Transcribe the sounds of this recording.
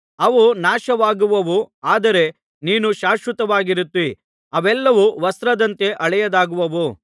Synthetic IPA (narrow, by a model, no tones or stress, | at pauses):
ɐʋunaːʃɐʋaːɡuʋɐʋuaːd̪ɐɾe̞ | niːnuʃaːʃʋɐt̪ɐʋaːɡiɾut̪ːi | ɐʋɛlːɐʋuʋɐst̪ɾɐd̪ɐnt̪e̞ʔɐɭɛjɐd̪aːɡuʋɐʋu